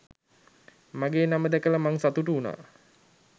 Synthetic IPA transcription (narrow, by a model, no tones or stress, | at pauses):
maɡeːnaməd̪ɛkələmaŋsat̪uʈuːna̰ː